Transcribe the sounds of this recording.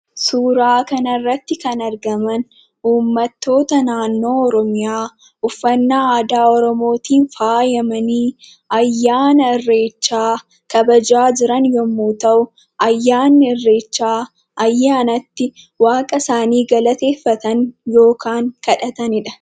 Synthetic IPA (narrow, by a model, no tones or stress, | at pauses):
suːɾaːkɐnɐrːɐt̪ːɪkɐnɐɾɡɐmɐn | uːmːɐt̪ːo̞ːt̪ɐnaːnːo̞ːɔɾɔmɪjaː | ʊfːɐnːaːaːd̪aːɔɾɔmo̞ːt̪iːnfaːjɐmɐniː | ɐjːaːnɐɪrːe̞ːt͡ʃːaː | kɐbɐd͡ʒaːd͡ʒɪɾɐnjɔmːuːt̪ɐʔʊ | ʔɐjːaːnːɪɛrːe̞ːt͡ʃːaː | ʔɐjːaːnɐt̪ːɪ | waːkʼɐsaːniːɡɐlɐt̪e̞ːfːɐt̪ɐnjo̞ːkʰaːŋkɐᶑɐt̪ɐnɪᶑɐ